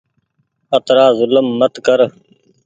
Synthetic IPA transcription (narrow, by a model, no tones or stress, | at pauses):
ət̪ɾaːzʊləmːət̪kəɾ